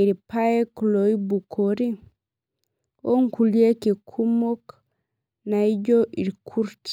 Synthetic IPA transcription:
iɾipajɛkloibukʰoɾi | ʔoŋkuliekikʰumɔk | najd͡ʒɔʔiɾkʰuɾt

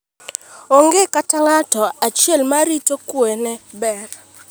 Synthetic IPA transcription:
oŋɡekataŋatɔat͡ʃjɛlmaɾitokwɛnɛbɛr

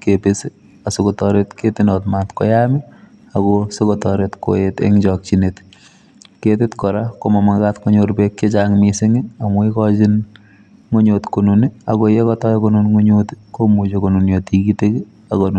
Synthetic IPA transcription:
kepese | asokotɔɾetketinɔtmatkɔjami | aɡɔsokɔtɔɾetko̰etḛŋd͡ʒɔk̚t͡ʃinet | ketɪtkɔɾakomɔmaŋɡatŋoɲoɾbekket͡ʃaŋmiseŋiamɔikɔt͡ʃin | ŋoɲotkonuniakojekɔtɔjkonunŋoɲotkomud͡ʒokonunjotikiteki | akon

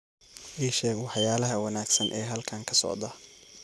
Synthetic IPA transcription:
ʔiːʃɛːɡwɑħjaːlɐɦɐwɑnaːɡsɐnʔɛːɦɐlkʰaːŋkʰɐsɔ̰ʕd̪ɐ

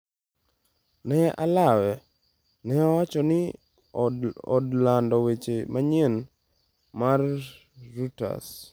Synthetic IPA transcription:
nɛʔalawɛ | nɛawat͡ʃɔnɪ | ɔ̰dlandɔwet͡ʃemaɲen | marː | uta̰s

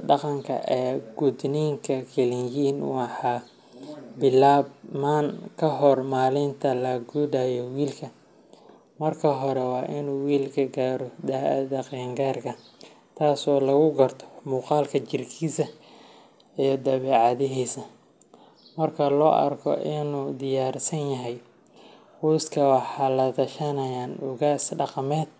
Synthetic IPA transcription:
ɖɑqɑŋkʰɐ̰ʔɛːɡ̥ʊd̪niːŋkʰɐkʰɛlɪnjiːnwɑħɑː | bɪlaːbmaːnkʰɐɦɔrmaːlɪnt̪ʰɐlɐɡuːdaːjɔwiːlkʰɐ | mɐrkʰɐɦɔɾɛwɑːʔɪnuːwiːlkʰɐɡaːɾɔd̪aðɐqɛːŋɡaːrkʰɐ | t̪ʰaːsɔːlɐɣʊɡɐrt̪ʰɔ̥muːqɑːlkʰɐt͡ʃɪrkʰiːsɐ | ijɔd̪ɐβɛːʕɑðɪɦiːsɐ | mɐrkʰɐlɔːʔɐ̰rkʰɔ̰ʔɪnuːd̪ɪjaːɾsɐnjɐɦɛj | huːskʰɐwɑħɑːlɐt̪ʰɐʃɐnɐjaːnʊɣaːsɖɑqɑmɛːd̪̥̚

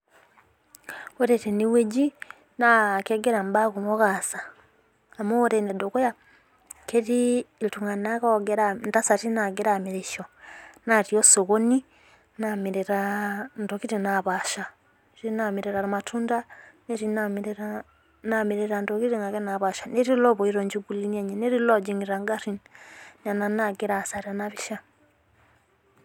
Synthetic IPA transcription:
oɾeteniweɟi | nakeɡeɾambaɣumoɣasaː | mooɾendedokoja | kʰeɾiltuŋanakaɡeɾantasatinaɡeɾamiɾeʃonatiosoɣoni | namiɾeɾandɔkiɾinaβaʃa | ɾinamiɾɛɾaɾamatʰundaneɾinamɾɾa | namiɾɛɾandɔkiɾiŋaɡɛnaβaʃanɛɾilɔβɔiɾɔɲd͡ʒuɡulinaɲɛnɛɾilɔd͡ʒiŋiɾaŋɡaɾinnananaɡɛɾasaɾanaβiʃa

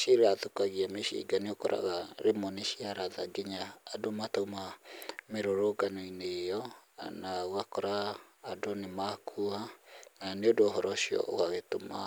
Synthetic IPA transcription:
ʃiɾeaðokaɣiameʃḭɡaneokɔɾa̰ɣaɾemoneʃiaɾaðaɡeɲaːdomatomameɾoɾoɡanoinejɔnaɣakɔɾaːdonemakʰuananeodoɦɔɾɔʃiɔ̰ʔo̰ɣaɣetoma

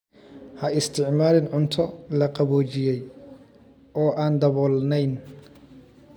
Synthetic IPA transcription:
hɐɪst̪ʰɪʕmaːɾɪnʕʊnt̪ʰɔlɐqɑβɔːt͡ʃɪjɛj | ɔːʔaːnd̪ɐβɔːlnɛjn

